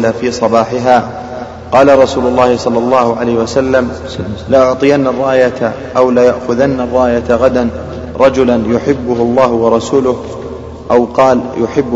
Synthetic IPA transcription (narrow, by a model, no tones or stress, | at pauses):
lafiːsˤɑbɑːħɪɦaː | qɑːlaɾˤɑsuːlʊlːɑːhɪsˤɑlːɑlˤːɑːhʊʕalajhɪwasalːam | laʔʊʕt̪ˤɨjanːarˤːɑːjaa | ʔawlajaʔxʊðanːarˤːɑːjat̪ɣad̪an | ɾˤɑd͡ʒʊlanjʊħɪbːʊhʊlˤːɑːɦʊwɑɾˤɑsuːlʊh | ʔawqɑːljʊħɪbː